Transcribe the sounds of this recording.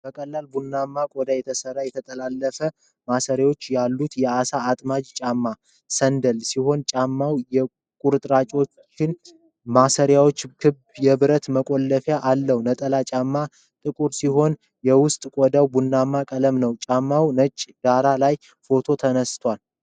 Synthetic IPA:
b̥əkʼəlːalbunːamːakʼod̪ajɛt̪ʰəsərːajɛt̪ʰət̪ʼəlalːəfə | masəɾjawo̞t͡ʃːjalːut̪jɛasaːt̪ʼmad͡ʒt͡ʃʼamːa | sənd̪əlsiɦo̞nt͡ʃʼamːawjɛ | kʼuɾɨt̪ʼɾat͡ʃʼo̞t͡ʃt͡ʃːɪn | masəɾjawo̞t͡ʃːkʰɨbjɛβɨɾət̪məkʼolːəfjaʔalːəhunət̪ʼəlat͡ʃʼamːa | t̪ʼɨkʼuɾsiɦo̞n | jɛwʊst̪ʼkʼod̪awbunːamːakʼələmnəwt͡ʃʼamːawnət͡ʃʼːɡaɾalaj | fo̞t̪ʰo̞t̪ʰənəst̪ʰwʷal

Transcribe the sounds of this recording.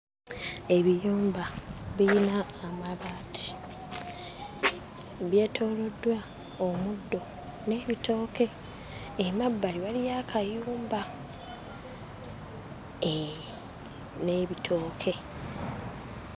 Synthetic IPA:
e̞βijuːmbaβiinaːmaβaːtʰi̥ | βje̞ːtʰo̞ːlo̞dwa | omudːo̞ | ne̞ːβitʰo̞ːke̞ː | mabːaliβalijaːkʰajuːmba | neβitʰo̞ːkʰe̞

